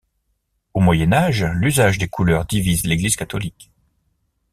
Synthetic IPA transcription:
omwajɛnaʒlyzaʒd̪ekʰulœʁd̪ivizleɡliz̥kat̪ɔlik

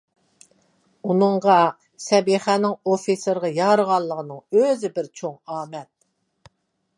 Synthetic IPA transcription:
unɨɴʁɑ | sɛbiχænɪŋofisəɾʁɑjɑɾəʁɑllˠːəʁənɨŋøzɪbɪɾt͡ʃʰoŋɑːmɛt̪̚

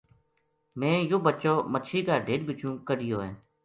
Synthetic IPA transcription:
mẽːjoːbət͡ʃoːmət͡ʃʰiːkaːɖʱeːɖbɪt͡ʃũːkəɽɪjoːɛ̃ː

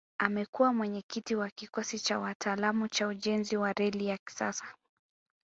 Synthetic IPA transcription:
amɛkuwamwɛɲɛkitiwakikɔsit͡ʃawatʰaːlamut͡ʃauʄɛnziwaɾɛlijaki̥sa̰sḁ

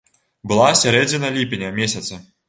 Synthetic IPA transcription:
bɨlˠasʲaɾɛd͡zʲinɐlʲipʲinʲɐmʲesʲɐt̪sɐ

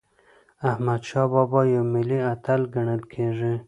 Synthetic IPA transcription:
ahmad̪ʃɑbɑbɑjawmɪliat̪alɡaɳəlkʰeʐi

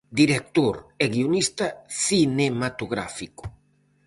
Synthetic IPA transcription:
d̪iɾek̚t̪oɾɛɣionist̪ɐθinemat̪oɣɾa̰fiko̥

